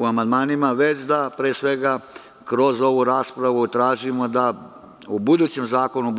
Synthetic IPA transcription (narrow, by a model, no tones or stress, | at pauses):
uamand̪maːnimaʋet͡ɕd̪apɾeːsʋe̞ɡa | kɾo̞zo̞ʋuɾaːspɾaʋut̪ɾaːʒimo̞d̪a | ubud̪uːt͡ɕe̞mzaːko̞nub